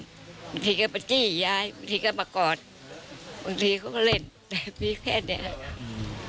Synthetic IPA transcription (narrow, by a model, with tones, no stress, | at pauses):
ba˨˧ŋt̪ʰiː˧kaː˧˩pa˨˧˩kiː˧˥˩jaː˧jba˧ŋt̪ʰiː˧ka˧˥˩maː˧kɔː˨˩t̪̚ | ba˧ŋt̪ʰiː˧kʰa˧˦kɔ˧˥˩le˧˩n | t̪ɛː˨˩piː˧˥pʰɛ̰ː˧˩t̚ni˧ə˨ha˧ʔ